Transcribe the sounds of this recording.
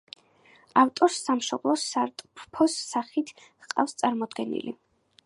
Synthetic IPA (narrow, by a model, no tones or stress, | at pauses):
aft̪ʼɔɾsamʃɔblˠɔsaɾt̪ʼpʰpʰɔsːaχit̪ʰqʼa̰fst̪sʼaɾmɔd̪ɡɛnḭlḭ